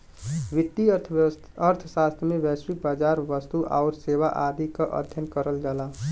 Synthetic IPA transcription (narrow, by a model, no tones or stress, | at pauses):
ʋɪt̪ːiət̪ʰ | əɾt̪ʰʃaːst̪ʰɾəmẽʋɛːsɾibaːd͡ʒaːɾʋəst̪uʔaːɾseːʋaʔaːd̪ikaʔə̰d̪ʱjənkəɾəld͡ʒaːlaː